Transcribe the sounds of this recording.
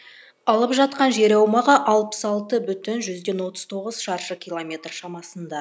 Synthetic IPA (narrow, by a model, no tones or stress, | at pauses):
ɑlˠəpʒɑt̪̚qɑnʒe̞ɾɑwmɑʁɑʔɑlˠpə̥sɑlˠt̪əbʏt̪ɪnʒʏzd̪e̞nwo̞t̪ə̥z̥t̪ʰo̞ʁəzʃɑɾʃəkʲʰijlˠomʲe̞t̪rʃɑmɑsənd̪ɑ